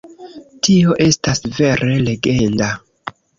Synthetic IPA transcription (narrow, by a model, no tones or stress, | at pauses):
tio̞ʔe̞stasve̞ɾe̞le̞ɡe̞nda